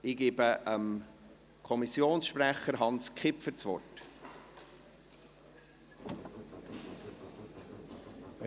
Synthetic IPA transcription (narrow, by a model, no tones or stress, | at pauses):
ɪɡ̥eːbəʔəm | kʰɔmisːjoːnsʃpɾæχəɾɦɑnskχɪpfət͡sʋɔ̰rt